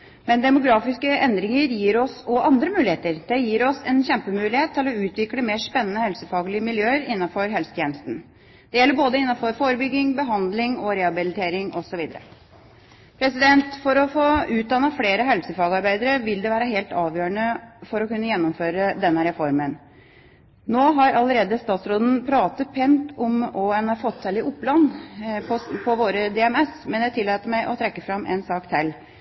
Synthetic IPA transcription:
mɛnd̪ɛmʊɡɾɑːfɪskəʔɛnd̪ɾɪŋəɾjiːɾɔsɔʔɑnd̪ɾəmʉːlɪheːt̪əɾd̪̥ɛjiːɾɔsɛnçɛmpəmʉːlɪheːt̪ːɪlɔʉːt̪ʋɪkləmeːʂpɛnːənəhɛlsəfɑːɡəɭɪəmɪljøːəɾɪnːɑfɔɾɦɛlsət̪ʰjeːnəst̪n̩ | d̪̥ɛjɛlːəɾboːd̪əɪnːɑfɔɾfoːɾəbʏɡːɪŋbəɦɑnd̪lɪŋɔɾɛɑbɪlɪt̪ʰeːɾɪŋʔɔsɔʋiːd̪ə̰ɾə̰ | pʰɾɛsɪd̪ɛnt̪fɔɾɔfoːʉːt̪̚d̪ɑnːɑfleːɾəɦɛlsəfɑːɡɑɾbæɪd̪əɾəʋɪld̪ɛʋæːɾəɦeːlt̪ɑːʋjøːɾəɳəfɔɾɔkʉnːəjɛnːʊmføːɾəd̪ɛnːəɾɛfɔɾmən | noːɦɑɾɑləɾeːd̪əst̪ɑːt̪sɾoːd̪n̩pʰɾɑːt̪əpʰɛnt̪ɔmɔɛnæɾfɔt̪ʰːɛlɪʔʊpːlɑnːpʰɔpʰɔʋoːɾəd̪ɛɛmɛsmɛnjæɪt̪ʰɪlːɑːt̪əɾmæɪʔɔt̪ʰɾɛkːəfɾɑmʔɛ̰nsɑːkt̪ʰɛlː

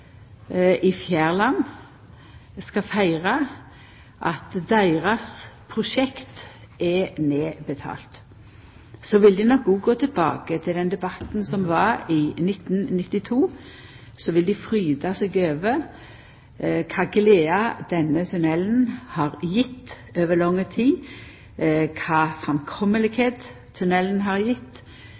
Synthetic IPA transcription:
ʔɪfjæːʁlɑn | skɑfæɪʁɑ | ʔɑt̪d̪æɪʁɑspʰʁʊʃɛkt̪ | ʔɛneːbət̪ʰɑ̰ːlt̪ | sɔʋɪld̪iːnɔkɡuːɡoːt̪ʰəlbɑ̰ːkət̪ʰɪld̪ɛnd̪ɛbɑt̪n̩sɔmʋɑʁiːnɪt̪n̩nɪt̪ːɪt̪ʰuː | sɔʋɪld̪ifɾyːd̪ɑsɛːɡøːʋəɾ | kʰɑːɡleːɑd̪̥ɛnət̪ʰʉnɛln̩hɑːɾjɪt̪ː | øːʋəlɔŋːət̪ʰiː | kʰɑːfɑmkʰɔməlɪɡheːd̪ | t̪ʰːʉnɛlənɦɑɾjɪt̪ː

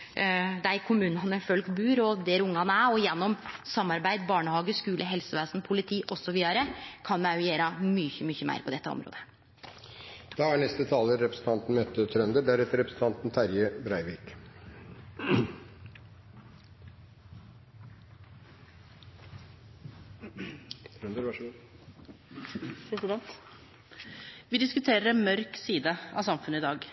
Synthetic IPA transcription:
d̪ɛæɾkʰʊmʉːnɑnəfœlkbʉːɾɔd̪ɛɾʊŋːɑnəæɔjɛnːɔmsɑmːɑɾbæɪd̪bɑːɳəhɑːɡəskʉːlʔəɦɛlsəʋæːsnpʰʊlɪt̪ʰiːʔɔsɔʋiːd̪ɑɾəkʰɑnmɛjeːɾɑmyçəmʏçəmæ̰ɪɾpʰɔd̪ɛt̪ːəɔ̰mɾo̰ːd̪ə̥ | d̪̥ɑːæɳɛst̪ət̪ʰɑːləɾɛpɾəsn̩t̪ʰɑnt̪n̩møːt̪ːət̪ʰɾœnd̪əɖæɾɛt̪əɾɛpɾsn̩t̪ɑnt̪n̩t̪ʰæɾjəbɾæɪʋiːk | ɾd̪əɾ | pʰɾɛsɪd̪ɛnt̪ | ʋɪd̪ɪskʉt̪ʰeːɾəɾɛmœɾksiːd̪əɑ̰ʋsɑmfʉnəɪd̪ɑːɡ

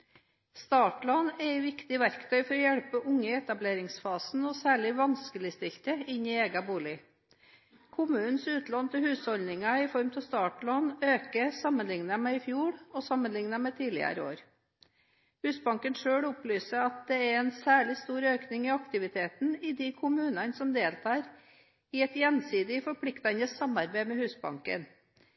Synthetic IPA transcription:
st̪ɑːʈlonɛɪʋɪkt̪ɪʋæɾkt̪ʰœʏfɔɾɔjɛɽpəʔʊŋːəɛt̪ɑbleːɾɪŋsfɑːsn̩ɔsæːɭɪʋɑnskəlɪst̪ɪlt̪əɪnɪeːɡɑbuːlɪ | kʰʊmʉːn̩sʉːt̪lɑnt̪ʰɪlhʉːshɔlnɪŋɑɪfɔɾmt̪ʰɪst̪ɑːʈɭonøːkəsɑmːənlɪŋnɑmɛɪfjuːɽɔsɑmənlɪŋnɑmɛt̪ʰiːlɪ̰ə̰ɾəo̰ːɾ | hʉːsbɑŋkənʂøːɽʊplyːsəɾɑt̪̚d̪ɛæɾɛnsæːɭɪst̪uːɾøːknɪŋɪɑkt̪ɪʋɪt̪ʰeːt̪n̩ɪd̪ɪkʰʊmʉːnɑnsɔmd̪eːlt̪ʰɑːɾ | ɪɛt̪jɛnsiːd̪ɪfɔɾpʰlɪkt̪ɑnəsɑmɑɾbæɪmɛhʉːsbɑ̰ŋkə̰n

